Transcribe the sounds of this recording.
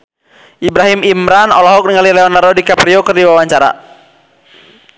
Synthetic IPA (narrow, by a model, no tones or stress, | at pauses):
ʔibɾaɦimimɾanɔ̰lɔɦɔk̚niŋalilɛɔnaɾɔdikapɾiɔkərdiwawaɲt͡ʃaɾa̰